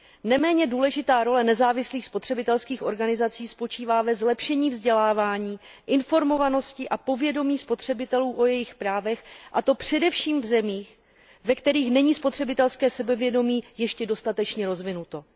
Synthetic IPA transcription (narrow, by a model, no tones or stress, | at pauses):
nɛmɛːɲɛduːlɛʒɪt̪aːɾo̞lɛnɛzaːvɪsliːxspot̪r̝̥ɛbɪt̪ɛlskiːxʔo̞ɾɡanɪzat͡siːspo̞t͡ʃiːvaːvɛzlɛpʃɛɲiːvzɟɛlaːvaːɲiːʔɪnfo̞ɾmo̞vano̞scɪʔapo̞vjɛdo̞miːspo̞t̪r̝̥ɛbɪt̪ɛluːʔo̞jɛjɪxpɾaːvɛxʔat̪o̞pr̝̥ɛdɛfʃiːmvzɛmiːx | vɛkt̪ɛɾiːxnɛɲiːspo̞t̪r̝̥ɛbɪt̪ɛlskɛːsɛbɛvjɛdo̞miːjɛʃcɛdo̞st̪at̪ɛt͡ʃɲɛɾo̞zvɪnut̪o̞